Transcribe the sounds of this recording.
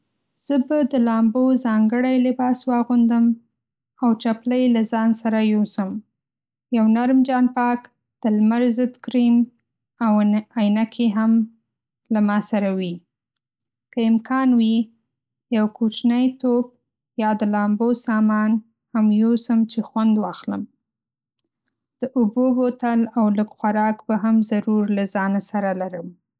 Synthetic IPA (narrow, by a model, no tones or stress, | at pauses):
z̥əbad̪əlɑmbozɑŋɡəɽajlɪbɑswɑɣund̪əm | awt͡ʃapləjlazɑnsaɾajosəm | jawnaɾmd͡ʒɑnpɑk | d̪̥əlmaɾzəd̪kɾim | awajnakʰeɦam | lamɑsaɾawi | kəɪmkʰɑnwi | jawkut͡ʃnəjt̪op̚ | jɑd̪əlɑmbosɑmɑn | hamjusəmt͡ʃexwand̪wɑxləm | d̪̥əʔʊbobot̪alawləɡxwaɾɑkbaɦamzaɾuɾlazɑnasaɾalaɾəm